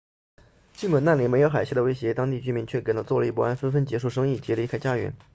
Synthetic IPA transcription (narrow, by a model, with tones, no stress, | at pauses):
t͡ɕi˥˩ŋkwə˨˩na˥˩nli˧˩me˧˥ɪjo˧˥xa˨˩ɪɕja˥˩d̪ə˩we˥ɪɕ̬jɛ˧˥t̪ɑ˥ŋt̪i˥˩t͡ɕy˥mi˧˥nt͡ɕʰɥɛ˥˩ke˨˩nə˥t͡swɔ˥˩lə˧i˥˩pu˥˩a˥nfə˥nfə˥nt͡ɕjɛ˧˥ʂu˥˩ʂ̬ɤ˥ŋi˥˩t͡ɕjɛ˧˥li˧˥kʰa˥ɪt͡ɕja˥ɥɛ̰˧˥n